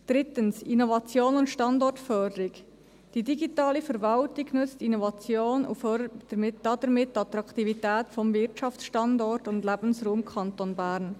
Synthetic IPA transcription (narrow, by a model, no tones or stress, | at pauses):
d̥ɾɪt̪ənsinovɑt͡sjoːnʊntʃtɑndɔrtfœːdəɾɪɡ | d̥idiɡitɑːlifəɾvɑltiɡnʏt͡stinɔvɑt͡sjoːnṵfœəd̥əmɪd̥ɑːdəɾmɪtːɑt̪ɾɑkt̪ivitɛːtfɔmvɪɾtt͡ʃɑft͡sʃtɑndɔrtʊndlæbən̩sruːmkʰχɑnt̪onbæːɾn